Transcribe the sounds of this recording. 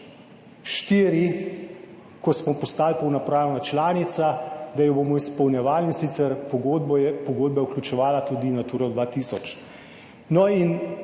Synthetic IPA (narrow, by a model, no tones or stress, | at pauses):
ʃt̪iːɾi | kɔsmɔpɔst̪aːlpɔwnapɾaːnat͡ʃlaːnit̪sad̪ajɔboːmɔispɔwnjɛʋaːlinsiːt̪sɛɾpɔɡod̪bɛpɔɡoːd̪̚bɛuklʲut͡ʃɛʋaːlat̪ud̪inat̪uːɾɔd̪ʋaːt̪iːsɔt͡ʃ | nɔin